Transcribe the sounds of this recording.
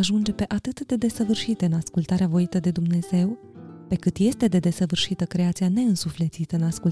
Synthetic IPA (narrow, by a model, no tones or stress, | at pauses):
aʒund͡ʒe̞pe̞ʔat̪ɨt̪d̪e̞d̪e̞səvɨrʃit̪eɨnaskult̪aɾeavo̞it̪əd̪e̞d̪umne̞z̥e̞w | pe̞kɨt̪je̞st̪e̞d̪e̞d̪e̞səvɨrʃit̪əkɾe̞at̪siane̞ɨnsufle̞t̪sit̪əɨnasku